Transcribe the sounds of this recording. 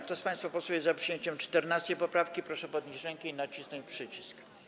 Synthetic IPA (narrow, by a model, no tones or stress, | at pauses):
kt̪ɔspãj̃st̪fapɔsujɛzapʂɨjeɲt͡ɕɛmt͡ʂt̪ɛɾnast̪ejpɔpɾafkʲipɾɔʂɛpɔd̪̚ɲit͡ɕɾɛŋkʲɛinat͡ɕisnɔ̃wpʂɘt͡ɕisk